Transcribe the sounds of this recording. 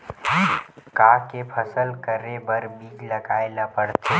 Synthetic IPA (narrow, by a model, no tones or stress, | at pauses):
kaːkepʰɐsəlkəɾebɐɾbiːd͡ʒlɐɡaːelapəɽt̪ʰe